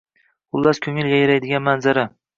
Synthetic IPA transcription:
qʊlˠːaskʲʰɵŋɪljajɾajd̪ɪɡʲanmanzaɾa

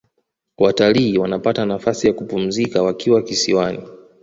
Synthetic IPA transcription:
wataliːwanapatanafasijakupum̩zikawakiwakisiwani

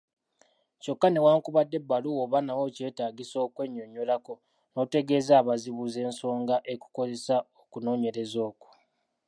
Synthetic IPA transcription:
co̞kːanewaːŋkuβadːe̞bːaluoβanawo̞ce̞ːtaːɡiso̞ːkwe̞ɲːoɲːolako̞ | no̞ːte̞ɡe̞ːzaːβaziβuːze̞ːnso̞ːŋɡaʔe̞ku̥ko̞ze̞saokuno̞ːɲe̞ɾe̞zo̞ːku̥

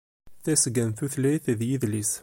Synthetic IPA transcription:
θæsɡænθuθlæjθðjiðlis

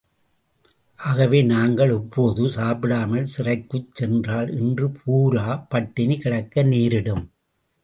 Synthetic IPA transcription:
ʔaːɣɐʋeːnaːŋɡɐɭɛpːoːðɯsaːpɪɽaːmɐɭsɪrɐɪkːɯt͡ʃsɛndraːlʔɛndrɯpʰuːɾaːpɐʈːɪnikɪɽɐkːɐniːɾɪɽɯm

